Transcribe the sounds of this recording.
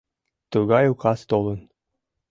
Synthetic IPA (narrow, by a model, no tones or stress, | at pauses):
t̪ɤɣɑjukɑst̪olˠɤ̆n